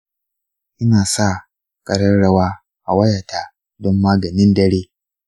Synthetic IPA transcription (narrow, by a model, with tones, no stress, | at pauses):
ʔɪ˦naː˨sa˦˨ | kʼɐ˨ɽɐ˦nɽɐ˦waː˦ | ʔa˨wɐ˦ja˨tʰaː˨ | dɔ˦mːaː˦ɡɐ˨nɪ˦ndɐ˦ɽeː˦